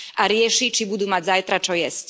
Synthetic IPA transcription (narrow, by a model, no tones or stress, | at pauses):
ʔaɾjɛʂit͡ʃibud̪umad͡ʑzajt̪ɾat͡ʂɔjɛsc